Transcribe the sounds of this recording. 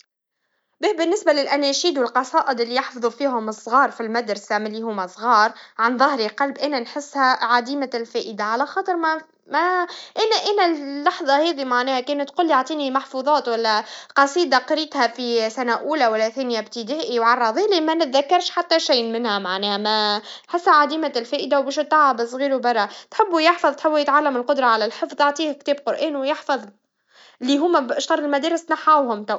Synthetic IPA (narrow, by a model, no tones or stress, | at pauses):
bbɪnːɪsbalɪlʔænæʃiːd̪wɪlqɑsˤɑːʔɨd̪ʔɪlːijɑħfɑðˤufiːɦʊmɨsˤːɣɑːɾˤfilmæd̪ɾsamɪlːihʊːmæsˤɣɑːɾˤʕanðˤɑhɾiqɑlbʔænænħɪsːhæʕad̪iːmælfæːʔəd̪aʕalæxɑːt̪ˤɨɾm | mæʔænæʔænælːɑħðˤɑhɛːðimaʕnɛːhækɛːnæt̪ːquːlːjaʕt̪ˤiːnimaħfuːðˤɑːt̪wælːæqɑsˤiːd̪ɑqɾiːt̪hæfisænæʔuːlæwælːæθeːnjæbt̪id̪æːʔiwʕɑrˤːɑðˤiːlimænɪt̪ðækːɑɾˤʃħat̪ːæʃiːnmɪnhæmaʕnɛːhæmæħɪsːhæʕad̪iːmælfæːʔɪd̪awbɛːʃt̪ːɑʕɑbɪsˤɣiːɾubɑrˤːɑt̪ħɪbːujɪħfɑðˤt̪ħɪbːjɪt̪ʕalːæmɪlqʊd̪ɾˤɑʕalælħəfðˤɑʕt̪ˤiːhkt̪eːbqʊɾʔeːnwjɪħfɑðˤ | liːɦʊmːæbʃt̪ɑɾˤːɪlmæd̪eːɾɪst̪naħawhʊmt̪a